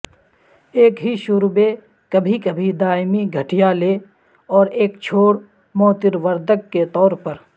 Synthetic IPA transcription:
eːkɦiʃʊɾbe | kəbʱikəbʱid̪aːɪmiɡʱəʈijaleː | ɔːɾeːkt͡ʃʰoːɽ | mɔːt̪ɪɾʋəɾd̪ʱəkːet̪ɔːɾpəɾ

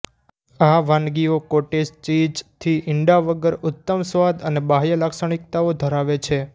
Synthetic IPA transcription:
aʋãnɡiokoʈest͡ʃid͡ʒt̪ʰiʔɪɳɖaʋəɡəɾʊt̪ːəmsʋad̪ənebaɦjəlaksaɽ̃ikt̪aod̪ʱəɾaʋet͡ʃʰe

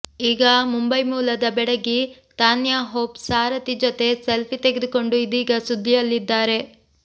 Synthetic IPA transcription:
iːɡɐmumbɐjmuːlɐd̪ɐbɛɽɐɡi | t̪aːnjaːɦoːpsaːɾɐt̪id͡ʒɔt̪e̞selpit̪eɡed̪uko̞ɳɖuid̪iːɡɐsud̪ʱːijɐlːid̪ːaːɾe̞

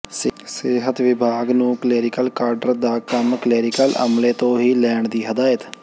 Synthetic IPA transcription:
ssɪɦət̪ʋɪbʱaːɡnũːklɛːɾɪkəlkaːɾɖəɾd̪aːkəmkəlɛːɾɪkəlʔə̰mleːt̪õːɦiːlɛːɳd̪iːɦəd̪aːjət̪

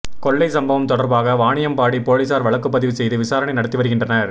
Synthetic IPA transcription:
kɔɭːɐɪsɐmbɐʋɐmt̪ɔɽɐɾbaːɣɐʋaːɳɪjɐmpaːɽipoːɭisaːɾʋɐɭɐkːɯpːɐðɪʋɯsɛjðɯʋɪsaːɾɐɳɐɪnɐɽɐt̪ːɯʋɐɾɯɣɪndrɐnɐɾ

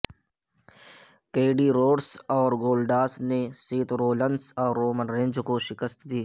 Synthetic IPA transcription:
keːɖiɾoːɖsɔːɾɡoːlɖaːsnesiːt̪ɾoːlənsɔːɾːoːmənɾẽːnd͡ʒkoʃɪkəst̪d̪iː

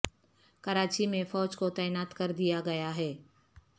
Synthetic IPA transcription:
kɐɾaːt͡ʃimẽfɔːd͡ʒkot̪ɛːnaːt̪kɐɾd̪ijaɡɐjaɦɛː

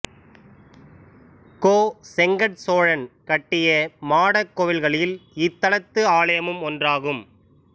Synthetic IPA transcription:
koːsɛŋɡɐʈsoːɻɐnkɐʈːɪjɐmaːɽɐkːɔʋɪlɣɐɭɪlɪt̪ːɐlɐt̪ːɯaːɭɐjɐmɯmɔndraːɣɯm

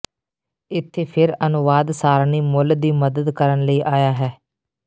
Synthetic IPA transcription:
ɪt̪ʰːeːpʰɪɾənʊʋaːd̪saːɾniːmʊld̪iːməd̪əd̪kəɾənləiːʔaːjaːɦɛː

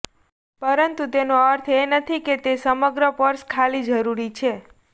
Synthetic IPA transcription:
pəɾənt̪ut̪enoəɾt̪ʰenət̪ʰiket̪esəməɡɾəpəɾskʰalid͡ʒəɾuɾit͡ʃʰe

